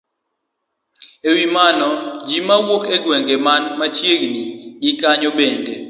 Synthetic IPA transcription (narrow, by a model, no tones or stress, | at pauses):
ewimanɔd͡ʒimawokeɡwɛŋɡemanmat͡ʃjeɡniɡɪkaɲobende